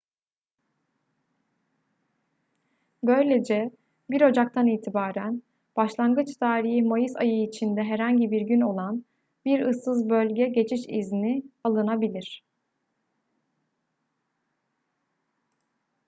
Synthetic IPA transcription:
bø̞jlʲe̞d͡ʒɛ | biɾo̞d͡ʒak̚t̪ʰaniːt̪ʰibaːɾæn | b̥aʃlˠanɡɯt͡ʃt̪ʰaːɾihmajɯsajɯit͡ʃʰind̪ɛɦɛɾhaɲɟibiɾɟyno̞lˠan | biɾɯsːɯzbølʲɟɛɟe̞t͡ʃʰiʃḭznialˠɯnabilʲiɾ̝̥

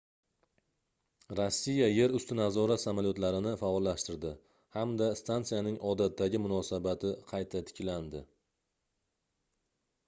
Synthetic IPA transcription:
ɾosːijaje̞ɾʊst̪ɪnazɒɾasamalijɒt̪laɾɪnɪfaɒlːaʃt̪ɪɾd̪ɪ | hamd̪ast̪ʰant̪sijanɪŋʔɒd̪at̪ːaɡʲɪmʊnɒsabat̪ʰɪqʰɑjt̪ʰat̪ʰɪ̥kʲland̪ɪ

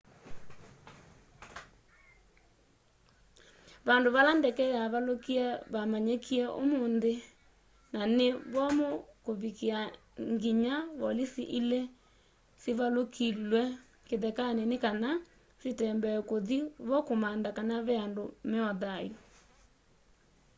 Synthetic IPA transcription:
βandoβalandɛkɛjaβalokiɛβamaɲekʰiɛʔo̰moːnðe | naneβɔmokoβikia | ŋɡiɲawɔlisiʔilɛ | siβalokilwɛ | keðɛkanenekana | sitɛmbɛkoðiβɔkomandakanaβɛandomeɔðajo

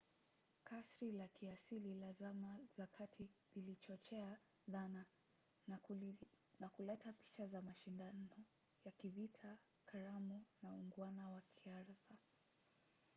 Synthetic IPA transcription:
kasɾilakiasililazamazakʰatʰililit͡ʃɔt͡ʃɛa | ðana | nakulɛtapi̥t͡ʃazamaʃindanɔ | jakivitʰa | kʰaɾamunauŋɡwanawakʰiaɾθa

